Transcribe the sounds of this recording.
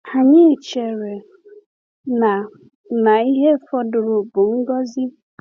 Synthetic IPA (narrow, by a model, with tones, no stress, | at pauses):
a˨ɲɪ˦˨t͡ʃe˨ɾe˨ | na˨ | na˨i˦ɦe˦fɔ˦dʊ˨ɾʊ˨bʊ˨ŋ̩˦ɡɔ˦zi˦